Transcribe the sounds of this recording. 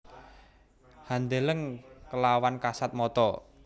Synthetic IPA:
hand̪eləŋkəlawankasat̪̚mɔt̪ɔ

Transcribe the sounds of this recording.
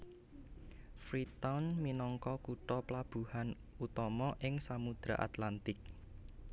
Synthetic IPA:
fɾit̪awnminɔŋkɔkuʈɔplab̥ṳhan | ut̪ɔmɔʔɪŋsamud̪̥ɾa̰ʔa̰t̪lant̪ɪk̚

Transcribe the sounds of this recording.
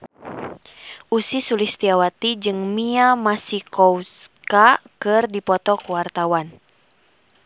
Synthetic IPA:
ʔusisulist̪iawat̪id͡ʒɨŋmiamasikɔuskakɨrdipɔt̪ɔkuwart̪awan

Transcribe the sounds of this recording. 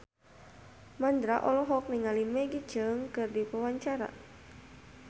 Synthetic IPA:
mand̪ɾaʔɔlɔɦɔk̚niŋalimɛɡit͡ʃəŋkɨrdipəwaɲt͡ʃaɾa̰

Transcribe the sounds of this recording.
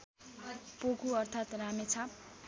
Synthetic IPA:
pokuʌrt̪ʰat̪ramet͡sʰʌ

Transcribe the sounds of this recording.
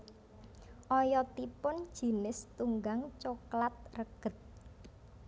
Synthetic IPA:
ʔɔjɔt̪ipʊn̥ʒ̥i̤nɪst̪uŋɡaŋt͡ʃoklat̪̚rəɡ̥ə̤t̪̚

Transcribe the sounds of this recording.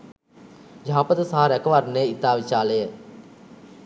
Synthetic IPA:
d͡ʒaːpət̪əsaɦaɾɛkəʋarneit̪aːʋit͡ʃaːləjə

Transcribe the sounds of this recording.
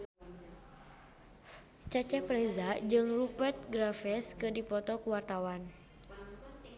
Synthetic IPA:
t͡ʃat͡ʃɛpɾezad͡ʒɨŋrupɛrt̪̚ɡɾafɛskɨdipɔt̪ɔkuwart̪awan

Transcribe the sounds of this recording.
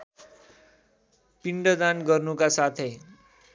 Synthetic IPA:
piɳɖʌd̪anɡʌrnukasat̪ʰe

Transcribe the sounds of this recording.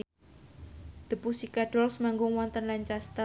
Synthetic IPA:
d̪̥ə̤pusikaɖ̥ɔlsəmaŋɡʊŋwɔnt̪ənlaɲt͡ʃast̪a

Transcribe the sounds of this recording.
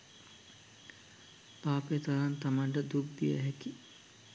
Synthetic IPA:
paːpet̪aɾant̪amaɳʈəd̪uk̚d̪ijə̰ɦɛki

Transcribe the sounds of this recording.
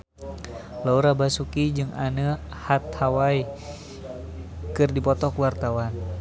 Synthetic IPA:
lauɾabasukid͡ʒɨŋanəhat̪̚hawai | kɨrdipɔt̪ɔkwart̪awan

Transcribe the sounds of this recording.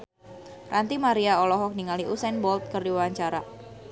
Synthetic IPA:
rʔant̪imaɾiaɔlɔɦɔk̚niŋaliʔusɛnbɔlt̪̚kərdiwaɲt͡ʃaɾa

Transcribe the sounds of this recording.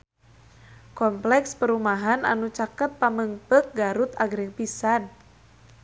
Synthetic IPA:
kɔmplɛkspəɾumaɦana̰nut͡ʃakət̪̚paməŋpək̚ɡaɾut̪aɡɾɪŋpisan

